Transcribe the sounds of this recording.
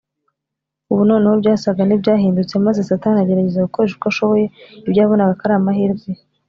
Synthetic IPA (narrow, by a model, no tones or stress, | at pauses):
uβunoːnehobɟaːsaɡanibɟaːɦiːndut͡se̞mazesataːniaɟe̞ɾaɟe̞zaɡukoɾeʃuɡaʃo̞βo̞je̞ibɟaːβo̞naɡakaɾaːmaɦiɾɡe